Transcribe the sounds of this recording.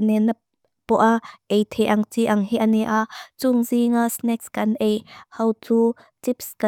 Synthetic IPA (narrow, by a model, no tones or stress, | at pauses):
nɛna | pɔʔaʔejt̪ʰɛʔɐŋt͡siʔɐŋɦiʔanɛʔat͡sʊŋziŋasnɛkskɐnʔejhɐwt͡su | t͡sipska